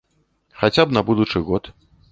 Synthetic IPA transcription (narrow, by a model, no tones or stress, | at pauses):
xat͡sʲabnabud̪ut͡ʂɨɣɔt̪